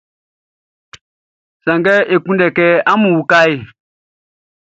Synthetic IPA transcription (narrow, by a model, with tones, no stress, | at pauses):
sa˨ŋɡɛ˦ʔe˨kũ˦ndɛ˨kɛ˦a˦mũ˨ka˦i˦˨